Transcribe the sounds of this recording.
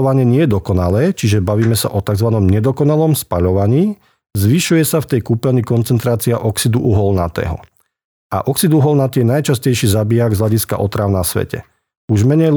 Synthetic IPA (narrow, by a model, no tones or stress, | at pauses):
ʋaɲɪɛɲɪɛjɛd̪ɔkɔnalɛːt͡ʃiʒɛbaʋiːmɛsa̰ʔɔt̪aɡzʋanɔmɲɛd̪ɔkɔnalɔmspaʎɔʋaɲiː | zʋiʃujɛsaft̪ɛjkuːpɛlnikɔnt͡sɛnt̪ɾaːt͡siaʔɔksid̪uʔuɦɔlna̰t̪ɛ̰ːɦɔ̰ | ʔa̰ʔɔksid̪uɦɔlnat̪ɪɛnajt͡ʃascɛjʃiːzabiaɡzɦʎaɟiska̰ʔɔt̪ɾaʊnasʋɛ̰cɛ̰ | uʒmɛɲɛj